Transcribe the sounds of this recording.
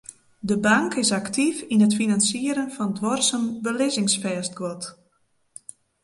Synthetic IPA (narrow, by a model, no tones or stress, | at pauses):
dəbaŋkɪsaktʰifinətfinansiəɾənfɔndʋɔrsənbəlɪzɪŋsfɛːst̚ɡɔt